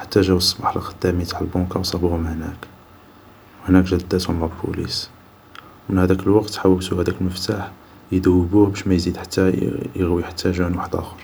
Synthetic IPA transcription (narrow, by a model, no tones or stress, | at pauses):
ħḁt̪ːæʒæwɑsˤːbħlɑqɑd̪ːæmijt̪ḁʕəlbɑ̃kɑwsˤɑbhʊmhnæk | whnækʒæd̪ːæt̪hʊmːæbbṵlḭs | mənhæd̪ækəlwɑqt̪ħawəwt̪uhæd̪ækəlməft̪aħ | jəd̪æwːəbuhbæʃmæjzid̪ħḁt̪ːæjəɣwiħḁt̪ːæʒænwaħəd̪ʔæ̰xɑɾˤ